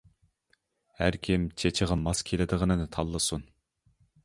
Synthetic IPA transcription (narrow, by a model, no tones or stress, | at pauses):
hæɾkʲʰimt͡ʃʰet͡ʃʰɪʁɑmɑskʲʰelɪd̪ɨʁənɨnɨt̪ʰɑlˠːɨsun